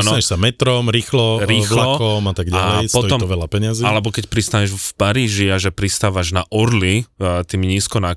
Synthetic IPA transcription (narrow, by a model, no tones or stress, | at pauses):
at̪naaɲɛʃsamɛt̪ɾɔmɾiːxlɔɾiːxlaɔkɔmat̪aɡɟaɛjstpɔt̪ɔiɔmt̪ɔʋɛʎapɛɲɪazialɛbɔkɛcpɾist̪aɲɛʒfpaɾiːʒiaʒɛpɾist̪aːʋaʒnaʔɔɾlit̪iːmɲiːskɔna